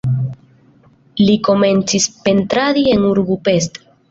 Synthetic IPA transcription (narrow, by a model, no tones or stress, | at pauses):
liko̞me̞nt͡sispe̞ntɾaɾie̞nuɾbupe̞sto̥